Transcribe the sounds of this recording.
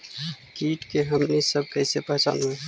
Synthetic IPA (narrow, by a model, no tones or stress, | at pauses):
kiːʈkeɦəmnisəb̚kɛːsepəɦt͡ʃa̰ːnɦue